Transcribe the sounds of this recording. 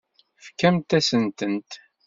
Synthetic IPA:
fkːæmt̪æsənt̪ənt̪

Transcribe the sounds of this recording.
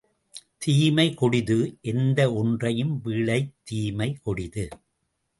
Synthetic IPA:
t̪iːmɐɪkɔɽɪðɯʔɛnd̪ɐɔndrɐjɯmʋiːɭɐɪt̪ːiːmɐɪkɔɽɪðɯ

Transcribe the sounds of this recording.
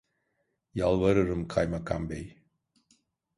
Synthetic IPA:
jalˠvaɾɯɾɯmkʰajmakʰambej

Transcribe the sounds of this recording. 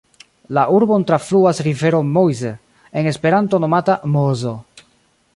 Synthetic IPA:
laʔuɾbo̞ntɾafluasɾive̞ɾomojze | eŋe̞spe̞ɾanto̞no̞matamozo

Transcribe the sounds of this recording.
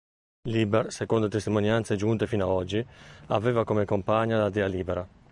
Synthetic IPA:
libɛɾsɛkond̪ot̪est̪imonjant̪sed͡ʒunt̪efiːnaɔd͡ʒːiavɛːvakomekompaɲːadlad̪ɛaliːbɛɾa

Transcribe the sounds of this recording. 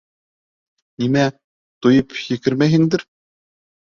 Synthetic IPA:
nimæ | t̪ujɤpjɘ̆kɘ̆ɾmæɦɘnd̪ɘ̆ɾ

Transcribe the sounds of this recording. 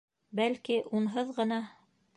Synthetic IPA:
bælkiʔunɦɤðʁɤ̆nɑ

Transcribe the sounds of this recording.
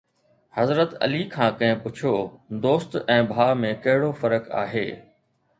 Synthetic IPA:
hɐzɾət̪ɐ̰likʰãːkɐ̃ɦɪ̃pʊt͡ɕʰoːd̪oːst̪ɛ̃ːbʱaːmẽkɐɦɪɽofɐɾəka̰ːɦeː

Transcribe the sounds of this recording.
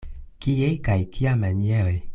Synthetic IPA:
kijeikaikiamɛɲɛe

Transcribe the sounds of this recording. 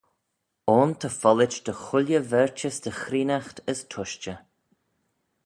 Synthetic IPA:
ɔːnt̪ʰəfɔlɪt͡ʃd̪əxʊlʲjəvɛɹt͡ʃəsd̪̥əxɾiːnaxt̪əst̪ʰʊʃt͡ʃə

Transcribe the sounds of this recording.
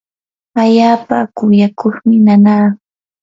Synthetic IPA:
aʎaːpakʊjakoχmɪnanaː

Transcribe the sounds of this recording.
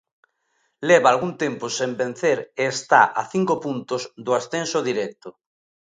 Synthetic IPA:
lɛβaːlɣunt̪ẽmpʊsẽmbẽn̟θeɾeːst̪a̰ʔa̰θiŋkopunt̪ʊzd̪ʊasθẽnsoðiɾɛk̚t̪ʊ

